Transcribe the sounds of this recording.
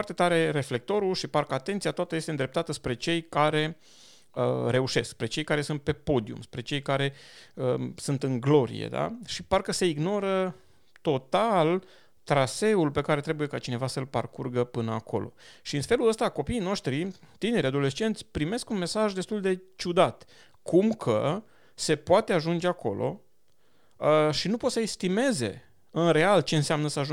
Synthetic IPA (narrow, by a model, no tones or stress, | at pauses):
rt̪e̞t̪aɾe̞ɾe̞fle̞k̚t̪o̞ɾulʃiparkəat̪e̞nt̪sijat̪oat̪əjest̪eɨnd̪ɾe̞p̚t̪at̪əspɾe̞t͡ʃe̞jkaɾe̞ | əɾe̞uʃe̞skspɾe̞t͡ʃe̞jkaɾe̞sunt̪̚pe̞po̞d̪iṵmspɾe̞t͡ʃe̞jkaɾe̞əsunt̪ɨŋɡlo̞ɾḭjḛd̪a̰ʃiparkəse̞iɡno̞ɾə | t̪o̞t̪al | t̪ɾase̞ulpe̞kaɾe̞t̪ɾe̞buje̞kat͡ʃine̞vasəlpa̰rkurɡəpɨnəa̰ko̞̰lo̞̰ʃiɨnfe̞luləst̪ako̞piːno̞ʃt̪ɾi | t̪ine̞ɾʲad̪o̞le̞st͡ʃe̞nt̪sʲpɾime̞skunme̞saʒd̪e̞st̪uld̪e̞t͡ʃud̪at̪ | kʰumkʰə | se̞poat̪e̞aʒund͡ʒe̞ako̞̰lʔo̞̰ | əʃinupo̞t̪səest̪ime̞ze̞̰ | ɨnre̞alt͡ʃe̞ɨnseamnəsəaʒu